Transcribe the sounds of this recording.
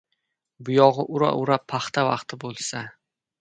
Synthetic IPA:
bʊjɒʁɨʔʊɾa̰ʔʊɾapʰːaχt̪avɑ̰qt̪ʰɪbolˠsa

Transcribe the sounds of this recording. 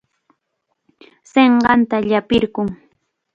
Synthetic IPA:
seɴɢɑnt̪aʎapɪɾkʊŋ

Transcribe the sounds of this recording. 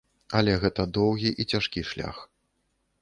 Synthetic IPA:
ɐlʲɛɣɛt̪ɐd̪ɔwɣʲiʔit͡sʲaʂkʲiʂlʲa̰x

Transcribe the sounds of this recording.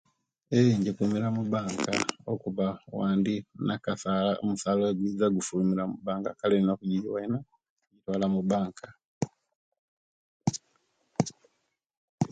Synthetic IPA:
eɲɟekuːmiɾamuβaːŋka̰okuβawaːndinakasaːlao̰musaːloeɡwiːzaɡufuːmiɾamubaːŋkakaleninokuɟiɟiwaina | ɲɟitwaːlamuβaːŋkʰa

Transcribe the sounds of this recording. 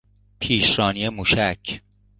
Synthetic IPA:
pʰiːʃɾɒːniemuːʃæcʰ

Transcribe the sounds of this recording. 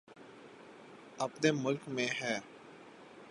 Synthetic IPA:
əpneːmʊlkmẽɦɛː

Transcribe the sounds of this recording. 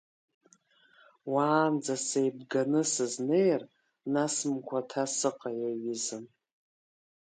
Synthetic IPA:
waːnd͡zasejbɡanɨsɨznejr | nasmkʷʰatʰasɨqʼajaɥizɨm

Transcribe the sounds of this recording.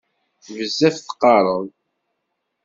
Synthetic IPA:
vəzːæθθə̥qːɑɾˤən

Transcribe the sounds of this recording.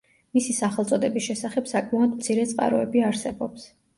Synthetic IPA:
misisaχɛlt̪sʼɔd̪ɛbisʃɛsaχɛbsakʼmaɔd̪mt̪sʰiɾɛt̪sʼqʼa̰ɾɔɛbiaɾsɛbɔps

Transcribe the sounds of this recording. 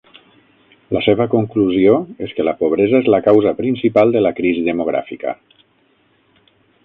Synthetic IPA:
ləseβ̞əkuŋkluzioeskələpoβ̞ɾezəezləkawzəpɾinsipalˠd̪ələkɾiziðəmuɣ̞ɾa̰fikə̰

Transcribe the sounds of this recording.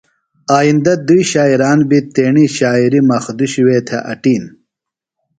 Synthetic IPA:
aːjind̪ɐd̪uiɕaːiɾaːnbit̪eːɳiɕaːiɾimɐxd̪uɕiweːt̪ʰeʔɐ̰ʈiːn

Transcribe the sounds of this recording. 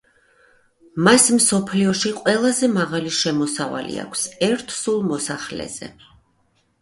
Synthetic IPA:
masmsɔpʰliɔʃiqʼwɛlˠazɛmaʁaliʃɛmɔsava̰lḭa̰kʷʰsɛɾt̪ʰsulˠmɔsaχlɛ̰z̥ɛ̰

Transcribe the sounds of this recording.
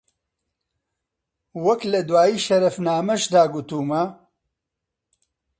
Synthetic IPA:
wɐklɐd̪waːjiːʃɐɾɐfnaːmɐʃd̪aːɡut̪uːmɐ

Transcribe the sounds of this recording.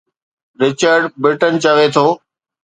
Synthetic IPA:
ɾɪt͡ɕəɾɖbɾɪʈənt͡ɕəʋet̪ʰoː

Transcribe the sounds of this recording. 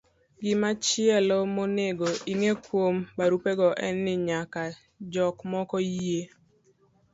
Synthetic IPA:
ɡɪmat͡ʃɪɛlɔmoneɡoiŋekwombaɾupeɡɔʔɛnːɪɲaka | d͡ʒɔkmɔkɔje

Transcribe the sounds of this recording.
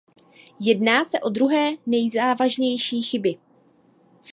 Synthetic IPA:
jɛdnaːsɛʔo̞d̪ɾuɦɛːnɛjzaːvaʒɲɛjʃiːxɪbɪ

